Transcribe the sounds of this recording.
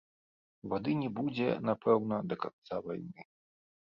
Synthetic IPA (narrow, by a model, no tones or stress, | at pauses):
vad̪ɨnʲɛbud͡zʲɛ̰napʰɛwnɐd̪ɐka̰t̪sava̰jnɨ